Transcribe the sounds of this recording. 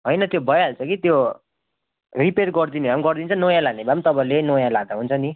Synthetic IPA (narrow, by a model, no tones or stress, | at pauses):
ɦʌjnʌt̪jobʱʌjɦalt͡sʰʌkit̪jo | ripeɾɡʌrd̪inebamɡʌrd̪int͡sʰʌnojãlanebamt̪ʌpãĩlenojãlad̪aɦunt͡sʰʌni